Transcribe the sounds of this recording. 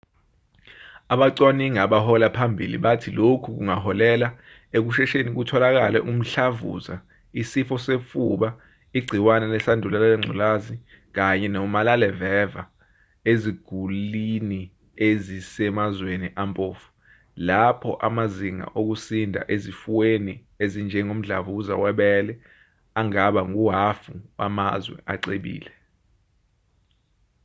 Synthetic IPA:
aɓaǀwaniŋaɓahɔlapʰambʱḭlḭɓatʰilokʰuk̬uŋahɔlɛla | ek̬uʃɛʃenik̬utʰɔlak̬alɛʔum̩ɬavṵza | isifɔsefuɓa | iɡ͡ǀʱiwanɛlɛsandʱulalalɛŋ͡ǀʱṵlazi | k̬aɲɛnɔmalalɛvɛva | eziɡ̥ʱulini | ezisɛmazweniʔampʼoːfu̥ | lapʰɔʔamaziŋa̰ʔok̬usindʱa̰ʔezifuweni | ezind͡ʒʱɛŋom̩ɮa̰ɓuk̬uza̰wɛɓɛlɛ | aŋaɓaŋuɦafua̰mazwɛ̰ʔaǀeɓḭːlɛ

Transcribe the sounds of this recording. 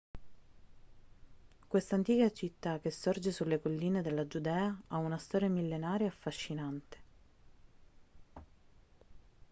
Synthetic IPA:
kwest̪ant̪iːkat͡ʃit̪ːak̟ːesːɔrd͡ʒesulːekolːiːned̪elːad͡ʒud̪ɛːaaunast̪ɔːɾjamilːenaːɾjaafːaʃːinant̪e̥

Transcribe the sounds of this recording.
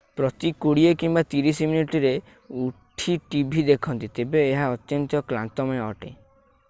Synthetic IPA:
pɾɔt̪ikoɽiekimbat̪iɾisiminiʈiɾe | uʈʰiʈibʱid̪ekʰɔnt̪it̪ebeːɦaɔt̪jɔnt̪ɔkla̰nt̪ɔmɔɔ̰ʈḛ

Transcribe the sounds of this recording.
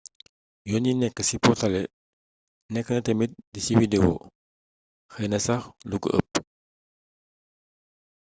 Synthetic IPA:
jɔninɛkːəsipɔtɐlɛ | nɛkːənɐtɛmit̚disiwidewo̰ | xɐjnɐsɐxluɡə̰ʔə̰p̚

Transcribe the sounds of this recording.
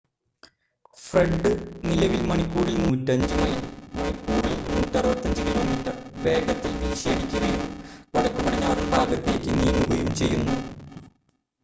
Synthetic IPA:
freɖɖɨnilɐʋilmɐɳipːuːɽilnuːtːɐɲd͡ʑɨmɐjimmɐɳipːuːɽilnuːtːaɐribɐt̪ːɐɲd͡ʑɨkilo̞ːmiːtːɐrʋe̞ːɡɐt̪ːilʋiːɕieɽikʲːunɐjumʋɐɭɐkːupɐɽiɲːaːɾuɳbʱaːɡɐt̪ːe̞ːkʲːɨniːnuɡɐjumt͡ɕe̞jːunːu

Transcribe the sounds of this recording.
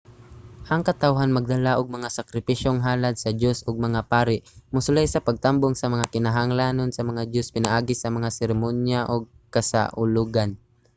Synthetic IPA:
ʔɐŋkɐt̪awɦanmɐɡ̚d̪ɐlaʔʊɡ̚mɐŋasɐkɾɪpiʃjoŋɦaːlad̪̚sɐdjosʊɡ̚mɐŋapaːɾɪʔmʊsʊlajsɐpɐɡ̚t̪amboŋsɐmɐŋakɪnaɦaŋlaːnonsɐmɐŋad̪jospɪnaʔaːɡɪsɐmɐŋasɛɾɪmonjaʔoɡ̚kɐsa̰ʔʊluɡan

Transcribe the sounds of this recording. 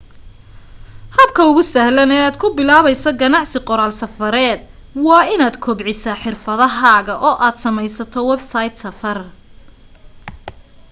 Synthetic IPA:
hɐb̚kʰɐʊɣʊsɐhlɐnɛːaːd̪̚kʰʊbɪlaːβɛjsɔɡɐnɑʕsɪqɔɾaːlsɐfɐɾɛːd̪̚ | wɑːɪnaːd̪kʰɔːbʕɪsaħɪrfɐðɐɦaːɣɐʔɔːʔaːd̪sɐmɛjsɐt̪ʰɔwɛbsajd̪sɐfɐr

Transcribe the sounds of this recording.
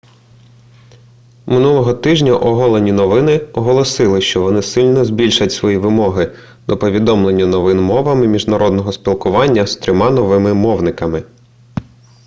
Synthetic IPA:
mɪnulˠɔɦɔt̪ɪʒnʲɐʔɔɦɔlˠenʲinɔʋɪnɪɔɦɔlˠɔsɪlˠɪʃt͡ʃɔʋɔnɪsɪlʲnɔzbʲilʲʃɐtʲsʋɔjiʋɪmɔɦɪ | d̪ɔpɔʋʲid̪ɔmlˠe̞nʲːɐnɔʋɪnmɔʋɐmɪmʲiʒnɐɾʔɔd̪nɔɦɔspʲilˠkʊʋɑnʲːɐst̪ɾʲɔmɑnɔʋɪmɪmɔwnɪkɐmɪ

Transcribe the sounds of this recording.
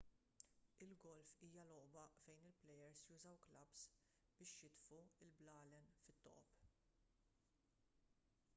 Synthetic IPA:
ɪlɡɔlfiːjɐlɔʔbɐfɛjnɪlplɛjɛɾsjuːzɐwklɐps | b̥ɪːʃjɪt̪fuɪlblɐːlɛnfɪt̪ːɔ̰ːp

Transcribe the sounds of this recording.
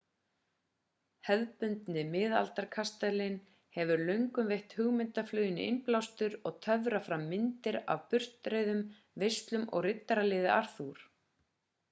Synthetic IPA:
hɛðpʏnt̪nɪmɪða̰lt̪aɾkʰast̪ɛlɪn | hɛvʏɾlœɥŋkʏmvejht̪hʏɣmɪnt̪aflœːjɪnːɪ̰ɪnplawst̪ʏɾɔɣt̪ʰœvɾafɾamːɪnt̪ɪɾa̰vpʏr̥t̪ɾeðʏm | vejst̪lʏmʔɔ̰ɣrɪt̪ːaɾalɪːðɪʔar̥θuɾ̥

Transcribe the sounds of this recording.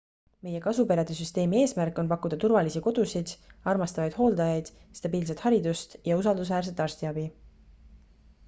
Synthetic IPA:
me̞je̞kɑsupeɾɑd̪̥esyst̪e̞ːmie̞ːsmærkːˑo̞npɑkːˑud̪̥ɑt̪urvɑlisiko̞d̪̥usid̪̥ɑrmɑst̪ɑvɑjd̪̥ho̞ːld̪ɑjɑjd̪̥ | st̪ɑbiːls̬et̪hɑɾid̪ust̪jɑus̬ɑld̪us̬væːrs̬e̞t̪ːˑɑrst̪iɑb̥i

